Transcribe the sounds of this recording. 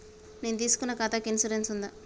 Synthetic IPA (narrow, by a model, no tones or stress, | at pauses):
neːnut̪iːsu̥kunːɐkaːt̪akensuɾensund̪a